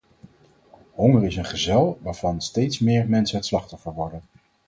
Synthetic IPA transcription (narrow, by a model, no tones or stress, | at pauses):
ɦɔŋəɹɪsənχəzɛlˠʋaːɹv̥ɑnstejtsmɪːɹmɛnsənɦətslɑχtɔfəɹʋɔɹdən